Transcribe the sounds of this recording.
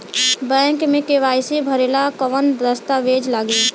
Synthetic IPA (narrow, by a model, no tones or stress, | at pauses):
bɛ̃ːŋkmẽkeʋaːjsebʱəɾeːlakəʋənd̪əst̪aʋeːd͡ʒlaɡeː